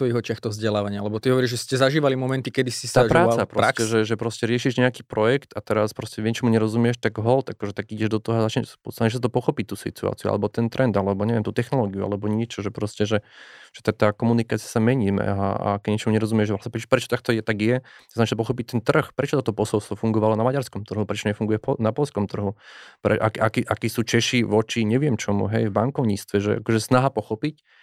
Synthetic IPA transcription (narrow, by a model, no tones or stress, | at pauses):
t̪ɔjɛɦɔt͡ʃɪaxt̪ɔvzɟɛlaːʋaɲɪaalɛbɔt̪iɦɔʋɔɾiʒʒɛscɛzaʒiːʋalimɔmɛnt̪ikɛd̪isist̪aːpɾaːt͡sapɾɔscɛʒɛʒɛpɾɔscɛɾɪɛʃiʒɲɛakiːpɾɔjɛkt̪at̪ɛɾaspɾɔscɛʋjɛt͡ʃɔmuɲɛɾɔzumɪjɛʃt̪aɡɦɔlt̪akɔʒɛt̪aɡiɟɛʒd̪ɔt̪ɔɦɔazat͡ʃɲɛʃpɔt̪nɛʒɛsat̪ɔpɔxɔpic̚t̪ːuːsḭt̪ua̰ːt͡siṵa̰lɛbɔt̪ɛnt̪ɾʔɛnd̪alɛbɔɲɛʋjɛmt̪uːt̪ɛxnɔlɔːɡiua̰lɛbɔɲɪɛt͡ʃɔʒɛpɾɔscɛʒɛʒ̥ɛ̥t̪at̪aːkɔmunikaːt͡siasamɛɲiːmɛ̰aa̰kɛɟɲɛt͡ʃɔmuɲɛɾɔzumɪɛʒpɾasɛpɾɛpɾɛt͡ʃɔ̥t̪ak̚t̪ɔjɛt̪aɡjɛznat͡ʃ̪ɔpɔxɔp̬ic̚t̪ɛnt̪r̩xpɾɛt͡ʃɔt̪ɔt̪ɔpɔsɔlˠst̪ʋɔfuŋɡɔʋalɔnamaɟaɾskɔmt̪r̩ɦupɾɛt͡ʃɔɲɛfuŋɡujɛfpɔnapɔlskɔmt̪r̩ɦupɾɛ̰ʔakʔakiʔakiːsuːt͡ʃɛʃiʋɔt͡ʃiɲɛʋɪɛmt͡ʃɔmṵɦɛjvbaŋkɔʊɲist̪ʋɛʒɛa̰kɔʒɛsnaɦapɔxɔpic